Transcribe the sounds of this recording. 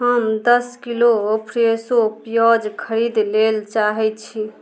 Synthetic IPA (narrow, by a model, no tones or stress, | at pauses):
ɦəmd̪əskiloopʰɾesopjɔd͡ʒkʰəɾid̪lelt͡ʃaɦɛt͡ʃʰi